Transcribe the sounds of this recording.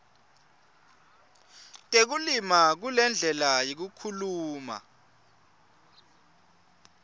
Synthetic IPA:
tʼek̬ulimak̬ulɛnd͡ɮʱɛlajok̬ukʰuluːma̰

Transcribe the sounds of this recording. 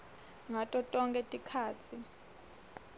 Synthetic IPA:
ŋatʼɔtʼɔŋkʼɛtʼikʰaːt͡sʰi

